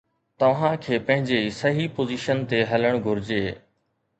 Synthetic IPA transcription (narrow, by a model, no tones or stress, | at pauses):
t̪ɐʋ̤ãkʰeːpɐ̃ɦɪ̃ɲd͡ʑeisɐɦipoːziʃənt̪eɦɐləɽ̃ɡʱʊɾɪd͡ʑeː